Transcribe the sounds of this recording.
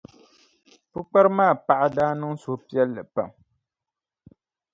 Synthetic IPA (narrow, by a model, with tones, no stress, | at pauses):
pɨ˦k͡pa˦ɾɨ˦maː˦˨pa˨ʔa˨daː˦nɨ˦ŋso˨˦pi˦ɛ˦lːɨ˨pa̰˨m